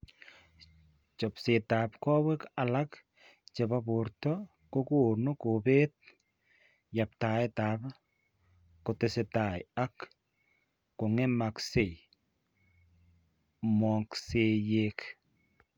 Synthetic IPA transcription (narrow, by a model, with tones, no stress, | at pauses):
t͡ʃɔ˨pse˨ta˨pkɔ˦we˦ka˨la˦k | t͡ʃe˨ba˦pʊ˨rtɔ˦ | ko˦ku˦˨nʊ˦ko˨pe˦t̚ | ja˨p̚ta˨ɪ˦ta˨p | kʊ˨tɪ˨sɪ˨ta˨j̰a˦k | ʊ˨ŋɛ˦ma˨kse˨ | mɔ˨kse˨jek